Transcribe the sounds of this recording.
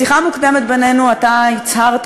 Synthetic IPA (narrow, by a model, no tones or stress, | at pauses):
iχamukd̪emet̪̚be̞ne̞nuat̪ait͡shaʁt̪